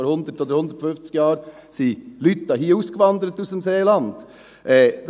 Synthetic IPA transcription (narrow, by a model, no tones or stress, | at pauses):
ɔɾhʊnd̪ətoːd̪əɾhʊnd̪ə̥ɾtfʏnft͡sɡ̥jɑːɾ | silyt̪ːɑhiːuːskəʋɑnd̪əɾət̪usəmseːlɑnd̪̥ | ʔɛːd̪